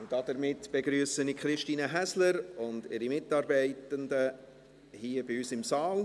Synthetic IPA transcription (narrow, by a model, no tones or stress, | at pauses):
ʊnd̥ɑd̥əɾmɪtːb̥eɡɾyːəsənikχɾɪʃtiːnəɦæsləɾʊndɪɾimɪtːɑːɾbɛɪtəndə | hiːəb̥ɪyːsɪmsɑːl